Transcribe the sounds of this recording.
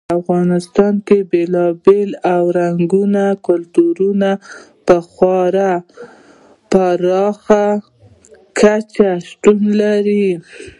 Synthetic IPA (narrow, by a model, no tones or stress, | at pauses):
afɣɑnɪst̪ɑnkebelɑbelawɾaŋɡunakʊlt̪uɾuna | pəxwɑɾa | paɾɑxa | kʰat͡ʃaʃt̪unlaɾi